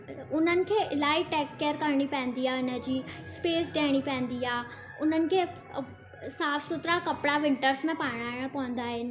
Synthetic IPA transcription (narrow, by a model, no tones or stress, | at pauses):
ʊn̤ənɪ̆kʰeːʔɪlaːiʈɛːkːeɾkɐɾɽ̃ipɛ̃ːn̆d̪iaːɪnə̆d͡ʑiːspeːsɖeːɽ̃ipɛ̃ːn̆d̪iaː | ʊn̤ənɪ̆kʰeː | saːfsʊt̪ɾakɐpɽaʋɪ̃ɳʈəɾsmẽpaːɪɽ̃aːɪɽ̃pɐʋə̃n̆d̪aːɦɪnɪ̆